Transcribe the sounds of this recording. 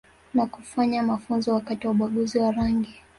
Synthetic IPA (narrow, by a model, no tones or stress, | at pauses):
nakufaɲamafunzɔwakatiwauɓaɠuziwaɾaŋɡi